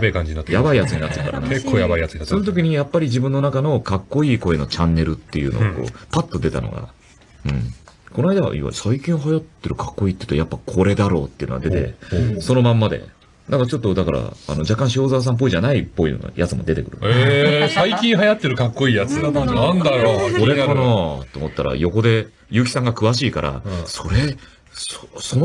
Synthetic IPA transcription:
bekãɲd͡ʑiɲinat̪ːejabaijat͡sɨɲ̟inat̪ːekaɾanaekːoːjabaijat͡sɨɲinatsonot̪o̞k̬ʲiɲ̟ijapːaɾʲid͡ʑibɯ̟̃nːo̞nakano̞kakːo̞iːko̞e̞no̞t͡ɕãnːe̞ɾɯ̟t̪ːe̞jɯ̟noɡ̰ko̰ːpat̪ːo̞d̪e̞t̪a̰no̞̰ɡa̰ | ɯ̟̃ɴko̞noaid̪aβa̰ʔḭβa̰isaikʲĩɰ̃oɦajat̪ːe̞ɾɯ̟kḁkːo̞iːt̪eiɯ̟t̪ojapːakʰo̞ɾe̞d̪aɾo̞̰ːt̪ːe̞iɯ̟noɡad̪e̞t̪e̞̰so̞no̞mãmːad̪e̞̰ | d̪ãŋkat͡ɕo̞t̪ːo̞d̪akaɾa̰a̰no̞d͡ʑakːãɕo̞ːzaːs̬ãmp̬ːo̞iʑanaipːo̞ino̰ɡa̰jat͡sɨmo̞d̪e̞t̪e̞kɯ̟ɾɯ̟nesaikʲĩɰ̃ɦajat̪ːe̞ɾɯ̟kakːo̞iːjat͡sɨnãnd̪aɾokoɾe̞anat̪ːeːmot̪ːaɾa̰jo̞ko̞d̪e̞ | jɯ̟ːk̬ʲi̥sãŋɡakɯ̟βaɕiːkaɾʔa̰so̞ɾe̞ | soson

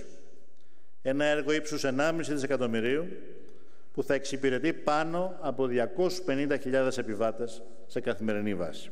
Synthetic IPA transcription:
e̞nɐe̞ɾɣo̞ipsuse̞nɐmisit̪ise̞kɐt̪o̞miɾiu | puθɐeksipiɾe̞t̪ipɐno̞ | ɐpo̞ðʝɐko̞su̥spe̞nind̪ɐçiʎɐðe̞se̞pivɐt̪esː | e̞kɐθime̞ɾinivɐ̰si̥

